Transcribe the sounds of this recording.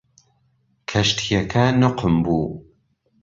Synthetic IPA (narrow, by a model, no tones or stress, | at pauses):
kʰɐʃt̪ʰijɐkʰɐnʊqʰɨmbuː